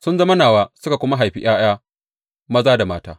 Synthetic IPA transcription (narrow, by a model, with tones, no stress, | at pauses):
sʊ˦nzɐ˦mɐ˦naː˨waː˦sʊ˦ka˨kʷʊ˦ma˦ɦa˨jɸḭ˦ʔaː˦j̰aː˦ | mɐ˦zaː˦da˨maː˦ta̰ː˦